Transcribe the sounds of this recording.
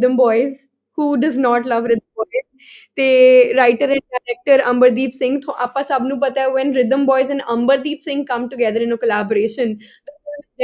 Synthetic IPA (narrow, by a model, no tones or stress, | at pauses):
ɪd̪ə̃mbɔːɪz | huːɖɐznɔːʈlɐʋɾɪd̪ə̃mbɔɪz | t̪eːɾaɪʈəɾɛ̃ɳkaɾɛk̚ʈəɾɐ̃mbəɾd̪iːpsɪ̃ŋɡt̪ʰoːʔapãsɐbnũːpɐt̪aeʋɛ̃nɾɪd̪ə̃mbɔːɪzɛ̃nɖɐ̃mbəɾd̪iːpsɪ̃ŋɡkɐ̃mʈuɡɛd̪əɾɪ̃nəkəlaːbəɾeːʃə̃nt̪oː